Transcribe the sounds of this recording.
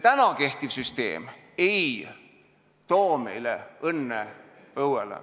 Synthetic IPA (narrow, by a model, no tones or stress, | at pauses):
t̪ænɑke̞ht̪ivsyst̪e̞̰ːm | ej | t̪o̞ːmḛjlḛɤnːe | ɤwelḛ